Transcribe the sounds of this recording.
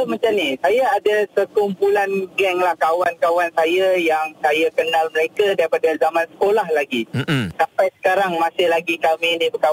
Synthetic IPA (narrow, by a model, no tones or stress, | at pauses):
mãt͡ʃamnisajaadasəkumpulanɡɛŋlahkawankawansajajaŋsajakənalməɾekadaɾipadazamãnsə̥kolahlaɡisampajsə̥kaɾaŋmãsɪhlaɡikaminĩbəkaw